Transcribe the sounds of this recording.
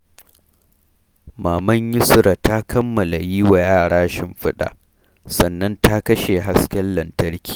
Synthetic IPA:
maː˨mɐ˦ɲjɪ˦sʊ˦ɾa˨ta˦kʰɐ˦mːɐ˨la˨jiː˦wa˨jaː˦˨ɽaː˦ʃɪ˨mɸɪ˦ɗa̰˨ʔ | sɐ˨nːɐ˦nta˦kɐ˦ʃe˨ɦa˦skʲɐ˦lːɐ˨ntɐ˦rkʲi̥ː˨

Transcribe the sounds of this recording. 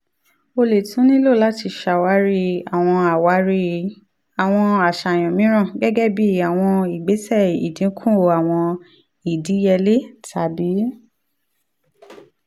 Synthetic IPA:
o˧le˨tũ˨˦nĩ˦lo˦˨la˦ti˧ʃa˨wa˨˦ɾi˦a˨w̃ɔ̃˧a˨wa˨˦ɾi˦ | a˨w̃ɔ̃˧a˨ʃa˨j̃ɔ̃˨mĩ˨˦ɾ̃ã˦˨ɡɛ˦ɡɛ˦bi˦˨a˨w̃ɔ̃˧i˨ɡ͡be˨˦sɛ˦˨ḭ˨dĩ˨˦kʰũ˦o˧a˨w̃ɔ̃˧ | i˨di˨˦jɛ˧le˦tʰa˨˦bi˨˦

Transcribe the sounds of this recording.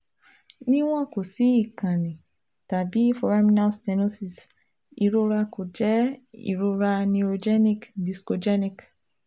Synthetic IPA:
nĩ˦w̃ɔ̃˦ko˨si˨˦i˦˨kã˨nĩ˨ | ta˨bi˨˦fɔ˨ɾa˦mĩ˦na˦stɛ˧no˦si˧˨s | i˨ɾo˧ɾa˧ko˨d͡ʒɛ˨˦ḭ˨ɾo˧ɾa˧nĩ˧o˧d͡ʒɛ˦nĩ˦˨kdi˨sko˧d͡ʒɛ˦nĩ˨k

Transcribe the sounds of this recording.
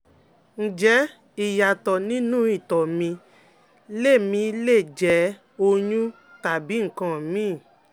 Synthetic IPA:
n̩˨d͡ʒɛ˨˦ | i˨ja˨tɔ˨nĩ˦nũ˦i˦˨tɔ˨mĩ˧ | le˦˨mĩ˧˦le˦˨d͡ʒɛ˨˦ | o˧ɲũ˦ | ta˨bi˨˦ŋ̩˦˨kã˨mĩ˦˨

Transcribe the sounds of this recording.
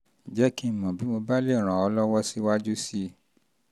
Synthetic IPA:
d͡ʒɛ˨˦ki˦˨mɔ̃˨bi˨˦mo˧ba˦le˦˨ɾ̃ã˨ɔ˧lɔ˦wɔ˦si˦wa˦d͡ʒu˦si˦

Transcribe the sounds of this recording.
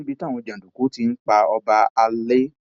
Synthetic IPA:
bi˧tã˦˨ɔ̃˧d͡ʒã˨u˨ku˨˦ti˧n̩˦k͡pa˧ɔ˧ba˧a˧le˦

